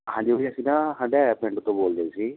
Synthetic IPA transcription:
hãːɲd͡ʒioiəsĩːnãːɦãːɳɖeapẽɳɖt̪õːboːld̪eːsiː

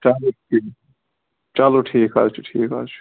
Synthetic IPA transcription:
t͡ʃalo | i | t͡ʃaːloʈʰiːka̰ːlt͡ʃuʈʰiːka̰ːt͡ʃʰu̥

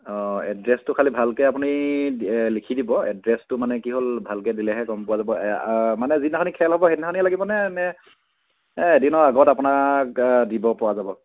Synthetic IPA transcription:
ɔ̃ɛ̰dɹɛstʊkʰalibʱalkɛap̬uni | likʰidibɔɛ̰dɹɛstʊmanɛkiɦolbʱalkɛdilɛɦɛkɔmpʊwazabɔmanɛzitnakʰanikʰɛlɦɔbɔɦetnakʰanialaɡibɔnɛnɛ | dinɔaɡɔtapʊnakdibɔpʊwazabɔ

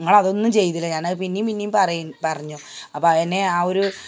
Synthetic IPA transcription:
iŋːɐɭɐðo̞nːumt͡ɕe̞jːit̪ːilːɐɲaːnɐpinːijumpinːijumpɐrɐjupɐrɐɲːo | ɐpːɐenːe̞aːoɾu

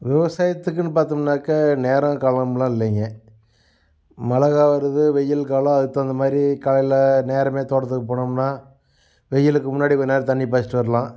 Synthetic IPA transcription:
ʋɪʋɐsaːjɐt̪ːɯk̬ːɯnɯpaːɾt̪ɯmnːaːkːɐneːɾɐ̃kɐlɐmlãːɪlːɛŋɡɐ | mɐlɐɣaːʋɐɾɐðɯʋɛjːɐlkaːlɐ̃ɐðɯt̪ːãːɐnd̪ɐmaːðɪɾikɐlɐjlɐneːɾɐmeːt̪oːɽɐt̪ːɯkːɯpːoːɳɯmnaː | ʋɛjːɐlɯkːɯmʊnːaːɽikːnaːɾt̪ɐɳːip̬aːsɪʈːɯʋɐɾɐlãː

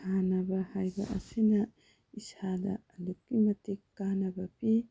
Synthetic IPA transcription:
anɐbɐhajbɐ̰ʔɐ̰sinɐ | isadɐ̰ɐlukːimɐtikːanɐbɐpi

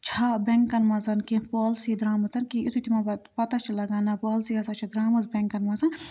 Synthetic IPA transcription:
t͡ʃʰabʲeŋkkːɐnmɐzɐnkĩpoːlsid̪ɾaːmɐzɐnkiit̪ʰut̪ʰimɐɐpɐt̪at͡ʃʰilɐɡaːnapoːlsiɐsaːt͡ʃʰid̪ɾaːmɐzbʲeŋkːɐnmɐzɐn

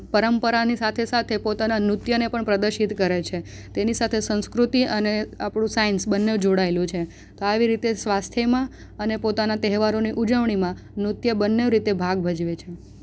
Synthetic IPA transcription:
pəɾəmpəɾanisat̪ʰesat̪ʰepot̪ananɾut̪jənepəɳpɾəd̪əɾʃit̪kəɾet͡ʃʰe | t̪enisat̪ʰesə̃nskɾut̪iʔəneapɽ̃ũsainsbənːeʋd͡ʒoɽaelũt͡ʃʰe | t̪oaʋiɾit̪esʋast̪ʰjəmã | ənepot̪anat̪ɛɦʋaɾoniʔud͡ʒəʋɳ̃imã | nɾut̪jəbənːeʋɾit̪ebʱaɡbʱəd͡ʒʋet͡ʃʰe

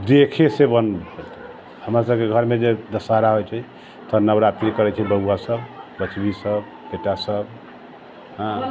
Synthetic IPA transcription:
d̪ekʰesebən | həmɾasəb̚keɡʱəɾmed͡ʒed̪əsaɾaɦojt͡ʃʰɛ | t̪ɔnəbɾat̪ɾikəɾɛt͡ʃʰɛbəɦuwasəbbət͡ʃbisəb | beʈasəb | ɦã

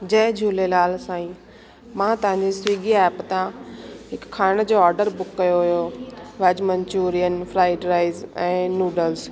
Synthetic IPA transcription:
d͡ʑɐːd͡ʑʱuːlelaːlsãːĩ | mãt̪ɐʋãɲd͡ʑisʋiːɡiɛːpt̪ãɦɪkʰːaːɽ̃d͡ʑoːɔːɾɖəɾbʊkːɐjoɦʊjoʋɛd͡ʑmə̃ɲt͡ɕuːɾijənfɾaːɪɖɾaːɪzɛ̃ːnuːɖəls

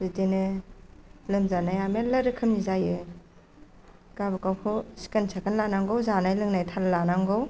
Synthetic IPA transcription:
zitenɯ | lɯmzanajamelaɾɯkʰɯmnizajɯ | kabɯkawpʰɯsi̥kansʰakʰanlanaŋɡowzanajlɯŋnajtʰallanaŋɡow

